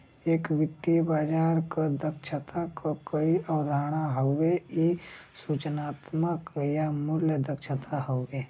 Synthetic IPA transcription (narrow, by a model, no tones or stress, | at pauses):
eːkʋɪt̪ːibaːd͡ʒaːɾkad̪əkʃʰət̪akokəiʔəwd̪ʱaːɽ̃aɦoweisuːt͡ʃnaːt̪məkjamʊljəd̪əkʃʰət̪aɦoːɡeː